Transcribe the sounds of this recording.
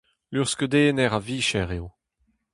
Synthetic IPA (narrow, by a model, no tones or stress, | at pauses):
lyʁskød̪eːnɛʁaviːʃɛʁeo